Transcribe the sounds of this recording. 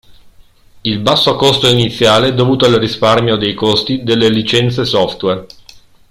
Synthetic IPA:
ilbasːokost̪oinit̪sːjaːleɛd̪ːovuːt̪oalrisparmjod̪ejkost̪id̪elːelit͡ʃɛnt̪sesɔft̪wer

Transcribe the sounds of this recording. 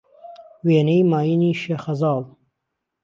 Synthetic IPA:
weːnejmɑːjiniʃexɐzɑːl

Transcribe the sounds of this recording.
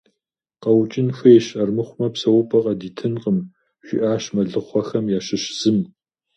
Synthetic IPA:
qɐwt͡ʃʼɪnxʷɐjɛɕɐrmɨχʷʊmɐpsɐwʊpʰʼɐqʼɐdiːtʰɨnqəm | ɕʷɪ̰ʔaːɕmɐɮɨχʷɔxɐmjaːʃɪɕz̥ɨm

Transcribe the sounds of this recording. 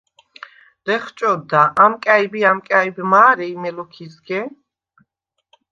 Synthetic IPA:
dɛχt͡ʃʼɔd̪aʔamkʼaibiamkʼaibmaːɾɛimɛlɔkʰizɡɛ

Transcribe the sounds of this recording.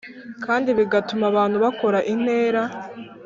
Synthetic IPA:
kaːndiβiɡatumaβaːn̥huβako̞ɾaʔin̥he̞ːɾa

